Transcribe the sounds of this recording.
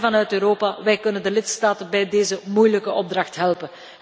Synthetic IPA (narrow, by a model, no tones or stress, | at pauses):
vɑnœɥtøːɾoːpaʋɛjkɵnəndəlɪtstaːtənbɛjdeːzəmujləkəʔɔb̚drɑxtɦɛlˠpən